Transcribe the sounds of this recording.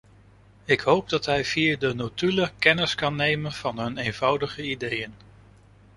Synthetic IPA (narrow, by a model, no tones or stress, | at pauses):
ɪkɦowb̚dɑtɦɛjv̥iːədənotyləkɛnəskɑnːejmənv̥ɑnɦɵnejnv̥ɑwdəχəidejən